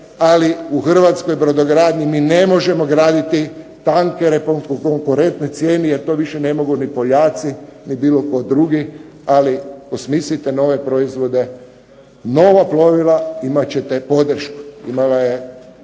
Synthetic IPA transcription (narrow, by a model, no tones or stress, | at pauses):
aliuxr̩ʋat̪skojbɾod̪o̞ɡɾaːd̪ɲimiːne̞mo̞ʒe̞moɡɾaːd̪it̪it̪aŋkeɾepoŋkokoŋkuɾe̞nt̪net̪sjeːnijeɾt̪o̞ːʋiʃene̞mo̞ɡunipoʎaːt̪sinibiːlo̞ko̞d̪ɾuɡi | aliosmislit̪eno̞ʋe̞pɾoizʋo̞d̪e̞ | no̞ːʋaplo̞ʋilaimat͡ɕet̪epo̞d̪r̩ʃku̥ḭmalaje